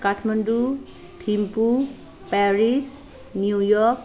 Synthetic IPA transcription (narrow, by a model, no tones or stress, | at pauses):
kaʈʰmandu | t̪ʰimpu | paɾis | njujɔk